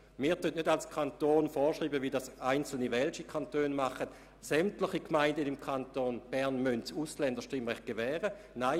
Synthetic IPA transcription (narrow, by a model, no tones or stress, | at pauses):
miːɐtønʔnødalskʰant̪oːnfɔːʃʁiːbəʋidasaɪnt͡sl̩niʋɛlt͡ʃikʰantøːnmaχət | sɛmtləχikmaɪndənimkʰantoːnb̥ɛɐnmøntuslɛndəʁʃtɪmʁɛχt̚ɡ̥evɛːʁə | naɪ